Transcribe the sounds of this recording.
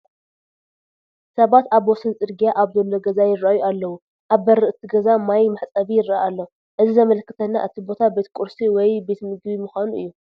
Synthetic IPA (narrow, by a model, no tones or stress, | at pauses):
sɐβat̪aβwɔsɨnt͡sʼɨɾɡijaʔaβzolo̞ɡɐzajɪɾːaʔjualːɐwu | ʔaβːɐɾɨʔt̪ʰiɡɐzamajmaħt͡sʼɐβijɪɾːaalːo | ʔɨzizɐmɐlkːɨt̪ʰɐnːa̰ʔɨt̪ʰibo̞t̪ʰabe̞t̪kʼuɾsiwɔjbe̞t̪mɨɡbimuxʷanuʔɨ̰jːu